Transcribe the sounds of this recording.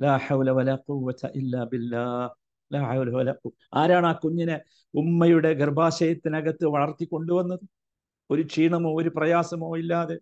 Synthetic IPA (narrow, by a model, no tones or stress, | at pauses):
laːħɐwlɐʋɐlaːquwːɐt̪ʰɐʔilːaːbilːaːh | laːħɐwlɐwɐlaː | aːɾaːɳaːkuɲːine | umːɐjuɽe̞ɡɐrbaːɕɐjɐt̪ːinɐɡɐt̪ːɨʋɐɭɐrt̪ːikʲːo̞ɳɖuʋɐnːɐðɨ | o̞ɾut͡ɕiːɳɐmo̞ːoɾuprɐjaːsɐmo̞ːilːaːðe̞